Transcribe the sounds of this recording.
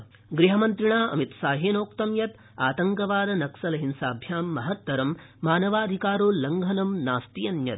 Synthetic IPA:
ɡɾiɦɐmɐnt̪ɾiɳaːɐ̰mit̪saːɦeːnoːkt̪ɐmjɐt̪ | aːt̪ɐŋkɐʋaːɾɐnɐksɐlɐɦinsaːbʱjaːmːɐɦɐt̪ːɐɾɐmːaːnɐʋaːd̪ʱikaːɾoːlɐŋɡʱɐnɐmnaːst̪ijɐnjɐ̰t̪

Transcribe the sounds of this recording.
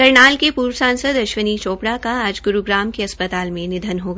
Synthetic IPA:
kɐɾɳaːlkepuːɾʋəsãːnsəd̪ɐʃʋənit͡ʃoːpɽakaaːd͡ʒɡʊɾuɡɾaːmkeɐspət̪aːlmẽnɪd̪ʱənɦoːɡ

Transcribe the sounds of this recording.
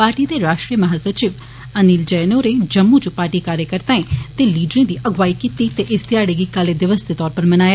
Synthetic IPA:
paːɾʈiːd̪eːɾaːʃʈɾijəməɦaːsət͡ʃiʋ | əniːld͡ʒɛːnoːɾeːd͡ʒəmːud͡ʒũpaːɾʈiːkaːɾjəkəɾt̪ãːẽt̪eːliːɖɾẽːd̪iːʔəɡʋaːikit̪it̪eʔɪst̪ɪjaːɽeːɡiːkaleːd̪ɪʋəsd̪eːt̪ɔːɾpəɾmənaːe

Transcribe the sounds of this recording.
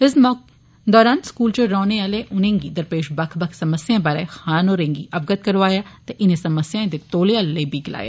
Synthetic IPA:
ɪsmː | d̪ɔːɾaːnskuːlt͡ʃeɾɔːneaːleʔʊnẽːŋɡid̪ɐɾpeːʃbɐkʰbɐkʰsɐməsjãːbaɾaxaːnoːɾẽːŋɡiʔɐbɡət̪̚kɐɾʋaːjaːt̪eʔɪnẽsɐməsjãẽd̪et̪oːleaːllebʱiɡɪla̰ːja̰ː

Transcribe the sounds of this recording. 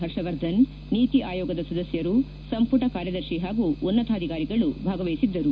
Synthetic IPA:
ɦɐɾʂɐʋɐɾd̪ʱɐn | niːt̪iʔaːjɔːɡɐd̪ɐsɐd̪ɐsjɐɾu | sɐmpuʈɐkaːɾjɐd̪ɐɾʃiɦaːɡuunːɐt̪aːd̪ʱikaːɾiɡɐɭubʱaːɡɐʋɐjisid̪ːɐɾu

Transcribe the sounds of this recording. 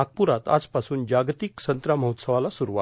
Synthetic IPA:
ak̚puɾat̪a̰d͡zpasuːnd͡ʑaɡt̪iksənt̪ɾaməɦut̪səʋalasuɾuʋa̰

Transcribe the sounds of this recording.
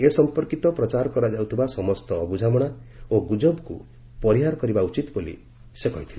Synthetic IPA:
esɔmpɔɾkit̪ɔpɾɔt͡ʃaɾɔkɔɾad͡ʒawt̪ʰibasɔmɔst̪ɔːbud͡ʒamɔɽ̃aoɡud͡ʒɔbku | pɔɾiɦaɾɔkɔɾibaut͡ʃit̪bolḭ | sekɔɦit̪ʰili

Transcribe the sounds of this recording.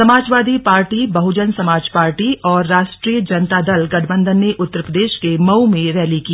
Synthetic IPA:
sɐmaːd͡ʒʋaːd̪ipaːɾʈibɐɦʊd͡ʒənsɐmaːd͡ʒpaːɾʈiɔːɾːaːʃʈɾiːjəd͡ʒɐnt̪ad̪ɐlɡɐʈʰbə̃nd̪ʱənːeʔʊt̪ːəɾpɾəd̪eːʃkemɐumẽɾɛːliki

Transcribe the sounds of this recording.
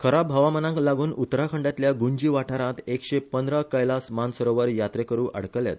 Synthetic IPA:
kʰəɾabɦəʋamənãŋklaɡuːnut̪ɾakʰəɳɖjat̪ljaɡuɲd͡ʑiːʋaʈʰaɾãt̪ekɕepənd̪ɾəkəjlasmansəɾoʋəɾjat̪ɾekəɾuːʔə̰ɽ̤kəlja̰t̪

